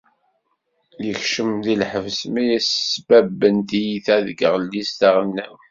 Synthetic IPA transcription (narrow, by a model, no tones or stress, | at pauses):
jəçʃəmðilħəvsmæjæsːbæbːənt̪ijiθæðɡəʁlːist̪aʁənːæw